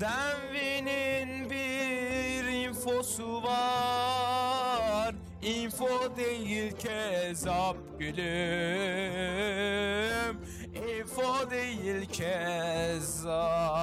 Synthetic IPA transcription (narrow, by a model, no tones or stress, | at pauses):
d̪anvininbi | ɾinfosuvɑ | ɾ | infod̪ejilcʰezɑb̚ɡyly | m | infod̪ejilcʰɛ | z